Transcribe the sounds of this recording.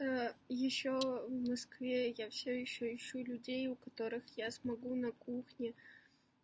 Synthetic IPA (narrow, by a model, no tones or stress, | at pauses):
əjɪɕːovmɐskvʲejafsʲojɪɕːojɪɕːulʲʉdʲejʊkɐt̪o̞ɾɨxjasmɐɡunɐkuxnʲɪ